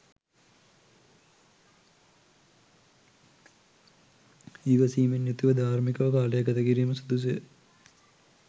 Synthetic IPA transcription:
iːʋɐsiːmenjut̪uʋɐd̪ʱaːɾmikɐʋɐkaːlɐjaɡɐt̪ɐkiɾiːmɐsud̪us̬ə̰

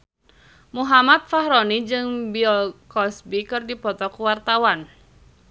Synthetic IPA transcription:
muɦamat̪̚faɦɾɔnid͡ʒɨŋbiɔlkɔsbikɨrdipɔt̪ɔkuwart̪awan

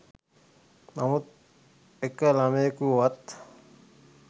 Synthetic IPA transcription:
namut̪̚ | ekːəlameːkuwat̪

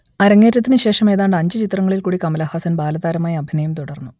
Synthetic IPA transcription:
ɐɾɐŋːe̞ːtːɐt̪̬ːinɨɕe̞ːʂɐme̞ːðaːɳɖɨɐɲd͡ʑɨt͡ɕit̪rɐŋːɐɭilkuːɽikɐmɐlɐhaːsɐnbaːlɐðaːɾɐmaːjɐɐbʱinɐjumt̪uɽɐrnːu

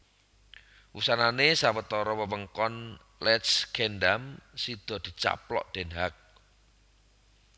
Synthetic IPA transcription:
wusananesawət̪ɔɾɔwəwəŋkɔn | lɛt̪skʰɛndamsid̪̥ɔ̤d̪̥i̤t͡ʃa̰plɔ̰ʔd̪̥e̤nɦak̚

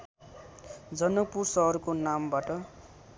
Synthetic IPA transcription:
d͡zʌnʌk̚pursʌɦʌrkonambaʈʌ

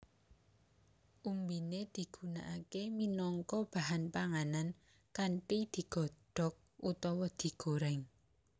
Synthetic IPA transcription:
ʔumbined̪̥i̤ɡ̥ṳna̰ʔakeminɔŋkɔb̥a̤ɦanpaŋanan | kaɳʈid̪̥i̤ɡ̥ɔ̤ɖ̥ɔ̤k̚ut̪ɔwɔd̪̥i̤ɡ̥oɾɛŋ

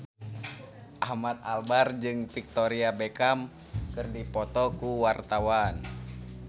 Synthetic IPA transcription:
ʔamat̪̚albard͡ʒɨŋfik̚t̪ɔɾiabɛkam | kɨrdipɔt̪ɔkuwart̪awan

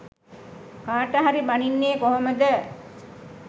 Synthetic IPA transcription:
kaːʈəɦaɾibaninːeːkoɦoməd̪ə

